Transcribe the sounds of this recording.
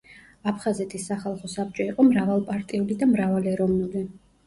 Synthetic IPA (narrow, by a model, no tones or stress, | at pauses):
apʰχazɛt̪ʼʰisːaχalˠχɔsap̚t͡ʃʼɔiqʼɔmɾavalˠpʼaɾt̪ʼiulid̪amɾavalɛɾɔvnuli